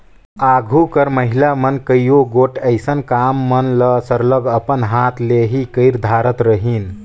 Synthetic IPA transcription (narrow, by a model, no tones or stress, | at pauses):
aɡʱukəɾməɦilamənkəjjoɡoʈəɪsənkamːənləsəɾləɡəpənɦat̪ʰleɦikəɪɾd̪ʱaɾət̪ɾəɦin